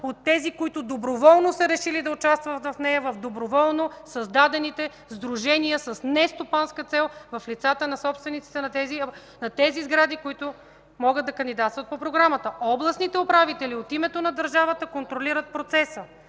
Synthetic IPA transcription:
ot̪ːɛzikoit̪ʊd̪obɾovɔlˠnosəɾɛʃilid̪ɐʊt͡ʃast̪vət̪vɐfnɛjɐvɐfd̪obɾovɔlˠnosɐzd̪ad̪ɛnit̪ɛ | zd̪ɾuʒɛniəsəsnɛst̪opanskət̪sɛlˠvɐflit̪sat̪ənɐsɔpst̪vɛnit̪si̥t̪ɛnɐt̪ɛzi | nɐt̪ɛzizɡɾad̪ikoit̪ʊ | mɔɡəd̪d̪ɐkɐnd̪id̪at̪t̪vɐt̪̚popɾoɡɾamət̪əɔblˠɐsnit̪ɛʊpɾavit̪ɛliot̪imɛt̪onɐd̪əɾʒavət̪əkont̪ɾoliɾət̪̚pɾot̪sɛsə

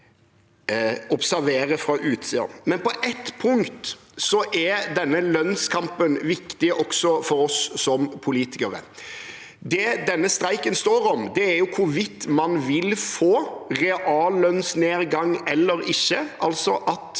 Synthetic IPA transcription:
ɔpsæɾʋeːɾəfɾɑʔʉːt̪siːɑ̰nmɛnpɔʔɛt̪pʰʊŋkt̪ | sɔʔɛd̪ɛnːəlœnskʰɑmpənʋɪkt̪ɪʔɔksɔfɔɾɔsːɔmpʰʊliːt̪ɪ̥kɑɾə̰ | d̪ɛd̪ɛnːəst̪ɾæɪkənst̪oːɾɔmd̪ɛæɾjʊkʰʊʋɪt̪ːmɑnʋɪlfoːʁɛʔɑːllœnsneːɾɡɑŋːɛlːəɾɪçːəʔɑlsɔʔɑt̪

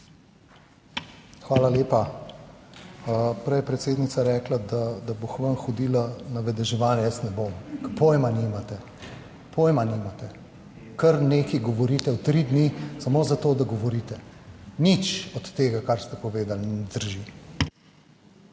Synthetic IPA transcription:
xʋaːlaleːpa | pɾɛjɛpɾɛt̪seːd̪nit̪saɾɛːklad̪ad̪aboxʋənxɔd̪iːlanaʋɛd̪ɛʒɛʋaːnjɛjəsnɛbomkpojmanimat̪ɛ | pʰojmanimat̪ɛ | kɐɾneːkiɡɔʋɔɾiːt̪ɛwt̪ɾid̪nisamozat̪oːd̪aɡɔʋɔɾiːt̪ɛnit͡ʃɔt̪ːeːɡakaɾst̪ɛpɔʋeːd̪alinɛd̪əɾʒi

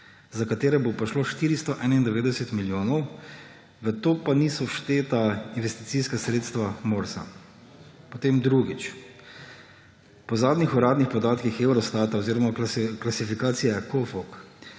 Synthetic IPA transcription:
zakat̪eːɾɛbopaʃloːʃt̪iːɾist̪ɔʔɛːnaind̪ɛʋeːd̪ɛsɛt̪miljoːnɔw | ʋət̪oːpanisɔʃt̪eːt̪ainʋɛst̪it̪siːskasɾeːt̪st̪ʋamoːɾsa̰ | pɔt̪eːmd̪ɾuɡit͡ʃ | pɔzaːd̪nixɔɾaːd̪nixpɔd̪aːt̪kixewɾɔst̪at̪aoziɾɔmaklasifikaːt̪sijakɔfɔk

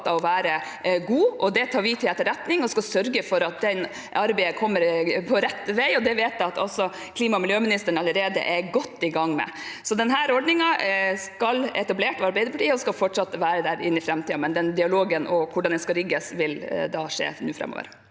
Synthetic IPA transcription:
t̪ːɑʋɔʋæːɾə | ɡuːɔd̪ɛt̪ʰɑːɾʋit̪ʰɪlɛt̪ːəɾɛt̪nɪŋɔskɑlsœɾɡəfɔɾɑt̪̚d̪ɛn | ʔɑɾbæɪəkʰɔmːəɾpʰɔɾɛt̪ːʋæɪɔd̪ɛʋeːt̪æɪɑt̪ʰɔ̰sɔ | kʰliːmɑmɪljøːmɪnɪst̪əɳ̩ɑləɾeːd̪ə̰ʔɛɡɔt̪ːɪɡɑŋːmɛ̰ | sɔd̪ɛnɦæːɾɔɖɳɪŋɑskɑlɛ̰t̪ɑbleːʈɔʋɑɾbæɪd̪əpɑʈʰiːəɔskɑlfɔʈʂɑt̪ːəʋæːɾəd̪æːɾɪ̰nːɪfɾɛmt̪iːɑmɛnd̪ɛnd̪ɪɑloːɡənʔɔkʰʊɖɑnd̪ɛskɑɾɪɡːəsʋɪld̪ɑʂḛːnʉːfɾɛ̰mo̰ːʋə̰ɾ

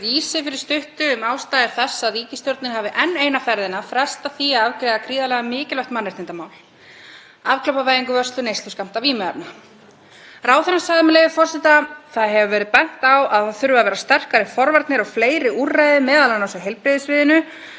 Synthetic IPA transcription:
viːsɪfɪɾɪɾ̥st̪ʏht̪ʏːmaːwst̪aːjðɪɾ̥θɛsːaðviːcɪst̪jɔɾt̪nɪɾhaːvɪʔɛnːeːjnafɛɾðɪnafɾɛst̪aθiaðavkɾɛːðakʰɾiːðalɛːɣamɪːcɪlœwht̪manːɛɾ̥t̪ɪnt̪amaːwl | avklœwpavaːjðiŋkʏvœst̪lʏnejst̪lʏskam̥t̪aviːmɛðaɾna | raːwθɛnːasaɣðɪmɛlejvɪfɔr̥sɪt̪aθaðɦɛvʏvɛːɾɪðpɛn̥t̪awaðaθʏɾvʏavɛːɾast̪ɛr̥kaɾɪfɔɾvaɾt̪nɪɾɔɣfleːjɾɪurːajðɪmɛːðalanawsʏɦejlpɾɪðɪsvɪːðɪnʏ

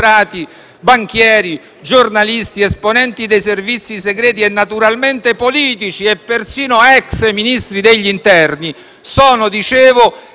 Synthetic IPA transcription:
ɾaːt̪i | baŋk̟jɛːɾi | d͡ʒornalist̪iɛsponɛnt̪id̪ejservit̪sːiseɡɾɛːt̪̬iɛnːat̪uɾalment̪epoliːt̪it͡ʃiɛpːersiːnoɛksminist̪ɾid̪eʎːint̪ɛrni | sɔːnʊd̪it͡ʃeːvʊ

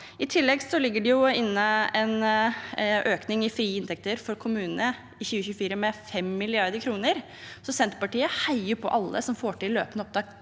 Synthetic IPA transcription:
ɪt̪ʰɪlːɛɡsɔlɪɡːəɖɛjʊɪnːəɛn | ʔøːknɪŋɪfɾiːɪnt̪ɛk̚t̪əɾfɔɾkʰʊmʉːnənə | ɪçʉːəçʉːəfiːɾəmɛfɛmːɪlɪɑɾd̪əɾkʰɾuːnəɾ | sɔsɛnt̪ɾəpɑʈiːəhaɪəɾpʰɔ̰ʔɑlːə̰sɔmfoːʈɪllːø̰ːpənəɔp̚d̪ɑːk

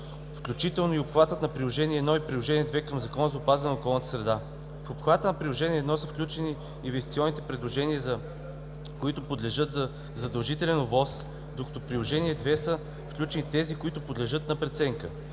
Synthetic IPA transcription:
fklʲut͡ʃit̪ɛlˠnoiopxvat̪ət̪nɐpɾilˠoʒɛniɛːd̪nɔipɾilˠoʒɛniɛd̪vɛkəmzɐkɔnəzɐopazɛnɐokɔlˠnət̪ə̥sɾɛd̪a | fopxvat̪ənɐpɾilˠoʒɛniɛːd̪nɔsəfklʲut͡ʃɛniː | nvɛst̪i̥t̪iɔnːit̪ɛpɾɛd̪lˠoʒɛniəzɐ | koit̪ʊpod̪lɛʒɤt̪zə | zɐd̪ɐlˠʒit̪ɛlɛnovɔs | d̪okɐ̥t̪ɔpɾilˠoʒɛniɛd̪vɛsə | fklʲut͡ʃɛnit̪ɛzikoit̪ʊpod̪lɛʒɤt̪̚nɐpɾɛt̪sɛŋkə

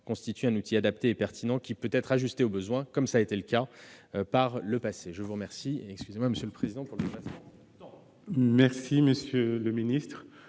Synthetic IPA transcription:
kɔ̃st̪it̪yɛ̃nut̪ʰiad̪apt̪eːpɛʁt̪inɑ̃kʲipøt̪ɛt̪χaʒyst̪eobəzwɛ̃kɔmsaet̪eləkapaʁləpaseʒəvuʁəmɛʁsiɛkskʲyzemwaməsjøləpχezid̪ɑ̃puʁləd̪epasmɑ̃ | mɛʁsiməsjøləminist̪χ

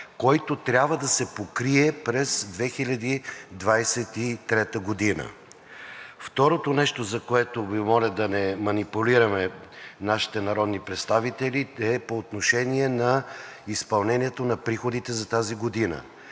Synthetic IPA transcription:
kɔjt̪ot̪ɾʲabvəd̪ɐsɛpokɾiɛpɾɛzd̪vɛxilʲɐd̪id̪vajsɛt̪it̪ɾɛt̪əɡod̪inə̰ | ft̪ɔɾot̪onɛʃt̪ozɐkoɛt̪ovimɔlʲid̪ɐnɛmɐnipuliɾɐmɛnaʃi̥t̪ɛnɐɾɔd̪nipɾɛt̪st̪avit̪ɛliɛpoːt̪noʃɛniɛnɐispɐlˠnɛniɛt̪onɐpɾixod̪it̪ɛzɐt̪aziɡod̪inə̰

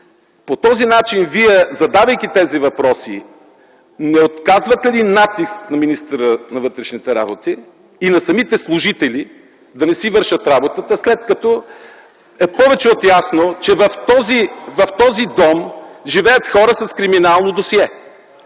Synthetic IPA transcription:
pot̪ɔzinat͡ʃinviɛzɐd̪avɐjk̪it̪ɛzivɐpɾɔsḭ | nɛot̪kazvɐt̪ɛlinat̪isknɐminist̪əɾənɐvɤt̪ɾɛʃnit̪ɛɾa̰bot̪iː | nɐsɐmit̪ɛslˠʊʒit̪ɛli | d̪ɐnɛsivɤɾʃət̪ɾabot̪ət̪əslɛt̪kɐt̪ɔ | ɛpɔvɛt͡ʃɛot̪jasnot͡ʃɛvɐft̪ɔzivɐft̪ɔzid̪ɔmʒivɛjɐt̪xɔɾəsɐskɾiminalˠnod̪osiɛ

